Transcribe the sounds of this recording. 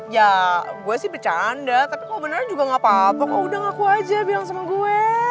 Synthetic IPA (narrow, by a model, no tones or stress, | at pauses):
jaɡuasɪhbərt͡ʃandat̪apikalobənərɲad͡ʒuɡaŋapat̪ɔkaudaŋakuad͡ʒabilaŋsamaɡuɛ